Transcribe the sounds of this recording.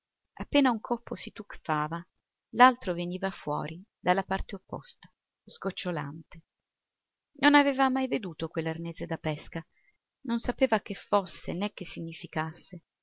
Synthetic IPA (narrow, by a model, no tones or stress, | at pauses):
a̰pːeːnauŋkʰopːosit̪ukfaːva | lalt̪ɾoveniːvafwɔ̰ːɾid̪alːapart̪eopːɔ̰st̪ḁ | skot͡ʃːola̰nt̪e | nonaveːvamajved̪uːt̪okwelːarneːzed̪apɛska | nonsapeːvak̟efːosːḛnɛk̟ːesːiɲːifikasːe